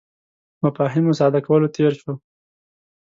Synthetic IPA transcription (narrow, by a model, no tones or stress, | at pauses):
mafɑɦɪmosɑd̪akawəlot̪ʰeɾʃo